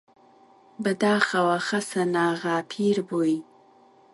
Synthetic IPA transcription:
bəd̪ɑːxawaxasanɑːɣapʰiɾboji

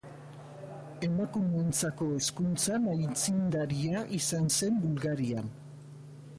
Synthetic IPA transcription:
e̞makume̞nt͡sako̞e̞skunt͡sanajt͡sind̪aɾiaʔisanse̞mbulɣaɾian

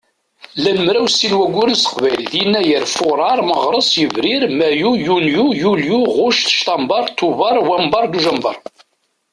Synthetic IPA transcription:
læmːɾæwsinwæɡʷʊɾənsə̥qvæjlðjinːæjəɾfʊɾˤɑɾˤməʁɾˤəsˤjəvɾiɾmæjujunjujuljuʁʊʃθə̥ʃt̪ɑmbɑɾˤt̪ːuvɑɾˤwæmbɑɾˤd̪uʒæmbɑ̰ɾˤ

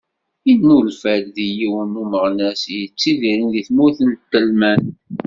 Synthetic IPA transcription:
innulfælðijiwənuməʁnæsjət͡sːiðiɾinðiθmuθənt̪ːəlmæn

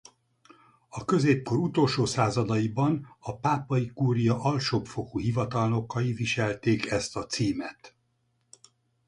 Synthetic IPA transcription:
ɒkø̞zeːp̚ko̞ɾut̪o̞lʃoːsaːzɒd̪ɒjibɒnɒpaːpɒjikuːɾijɒʔɒlʃopfo̞kuɦivɒt̪ɒlno̞kːɒjiviʃɛlt̪eːkɛst̪ɒt̪siːmɛt̪

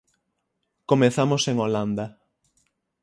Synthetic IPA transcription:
komeθamoseŋoland̪a

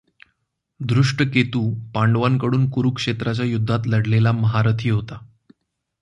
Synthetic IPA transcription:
d̪ɾuʂʈəket̪uːpaɳɖʋankəɽuːnkuɾukʂet̪ɾat͡ɕjajud̪ʱːat̪ləɽlelaməɦaɾət̪ʰiːɦot̪a

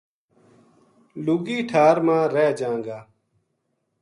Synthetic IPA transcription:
luɡiːʈʰaːɾmãːɾeːd͡ʒãːŋɡaː

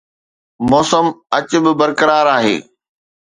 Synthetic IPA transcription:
mɔːsəmɐt͡ɕbɪbɐɾkəɾaːɾaːɦḛː

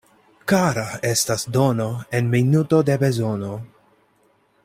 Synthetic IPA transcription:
kaɾae̞stasdo̞no̞enminuto̞debe̞zo̞no̞

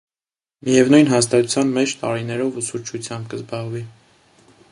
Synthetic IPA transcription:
mijɛvnujnɦɑst̪ɑt̪u̥t͡sʰjɑnmɛt͡ʃʰt̪ɑɾinɛɾɔvusuɾt͡ʃʰut͡sʰjɑmbkəzbɑʁvi

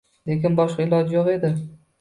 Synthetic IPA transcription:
lekʲɪnbɒʃqɑɪlˠɒd͡ʒjɒʁe̞d̪ɪ

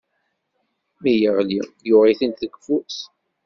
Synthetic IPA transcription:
mijəʁlijʊʁiθinθəɡfus

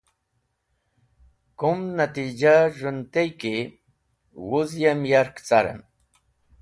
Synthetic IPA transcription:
kʊmnat̪ɪd͡ʒaɾʊnt̪ajkɪ | wʊzjamjaɾkt͡saɾa̰n

